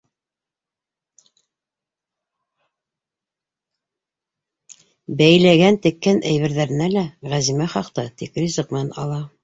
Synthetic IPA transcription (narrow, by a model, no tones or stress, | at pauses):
bæjlæɡænt̪ɘ̆kːænʔæjβɘ̆ɾðæɾɘ̆nælæʁæzimæχɑqt̪ɤt̪ikrʲizɤq̚mɘ̆nænɑlˠɑ